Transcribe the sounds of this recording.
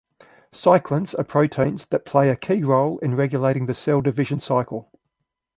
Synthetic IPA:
sɑɪkʰlə̃nsəpʰɹ̥əʊtʰɛ̃ɪ̃nzðəʔ̚pʰl̥eɪəkʰiːɹɒʊlɪ̃nɹɛɡjəleɪɾɪ̃ŋðəsɛɪlˠdɪvɪʒə̃nsɑɪkəlˠ

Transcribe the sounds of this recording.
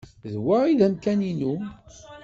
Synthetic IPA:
ðwaiðæmkæninu

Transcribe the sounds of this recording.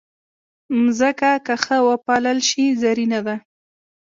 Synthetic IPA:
mzəkakəxəwəpɑləlʃizaɾinad̪a

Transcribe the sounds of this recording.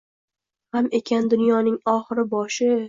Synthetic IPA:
hame̞kʲʰand̪ʊnjɒnɪŋɒχɨɾɪbɒʃɪ

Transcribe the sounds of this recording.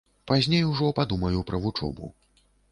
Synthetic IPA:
pazʲnʲejuʐɔpad̪umɐjupɾʔɐvut͡ʂɔ̰bṵ

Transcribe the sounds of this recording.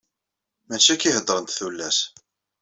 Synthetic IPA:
mæt͡ʃːækːihəd̪ˤɾˤənt̪θulːæs

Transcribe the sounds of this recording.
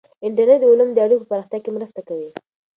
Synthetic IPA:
ɪɳʈəɾneʈd̪əʊlumd̪əaɽikp̬opaɾɑxt̪jɑkemɾəst̪akawi

